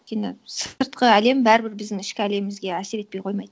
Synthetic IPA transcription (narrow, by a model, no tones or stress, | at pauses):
t̪̚ʲkʲːenɪsəɾt̪qəæle̞mbæɾɪbɪɾbɪzd̪ɪŋɪʃkʲɪæle̞mɪmɪzɡʲe̞æse̞ɾe̞t̪̚pe̞jqʰo̞jmɑjd̪ə